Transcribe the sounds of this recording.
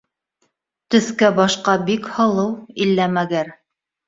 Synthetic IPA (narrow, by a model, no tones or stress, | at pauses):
t̪ɵ̆θkæbɑʃqɑbikhɤ̆lˠɤwilːæmæɡæɾ